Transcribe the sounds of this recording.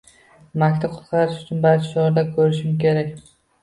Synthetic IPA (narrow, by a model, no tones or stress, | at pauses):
makʲt̪ʰaqʰʊ̥t̪qʰɑɾɪʃʊt͡ʃʰʊnbaɾt͡ʃʰɪ̥ʃɒɾd̪akʰɵɾɪʃɪmkʲʰe̞ɾakʲ